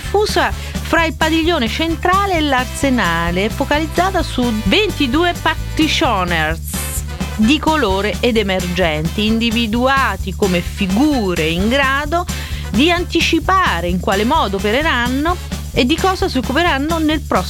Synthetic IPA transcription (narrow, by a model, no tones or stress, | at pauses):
fuːsa | fɾailpad̪iʎːoːnet͡ʃent̪ɾaːleːlarsenaːleɛfːokalid̪zːaːt̪asuvent̪id̪uːepat̪it͡ʃɔners | d̪ikoloːɾeʔed̪emerd͡ʒɛnt̪iːnd̪ivid̪uaːt̪ikomefiɡuːɾeiŋɡɾaːd̪o | d̪iant̪it͡ʃipaːɾeiŋkwaːlemɔːd̪opeɾeɾanːo | ed̪ːikɔːzasiokːupeɾanːonelpɾɔ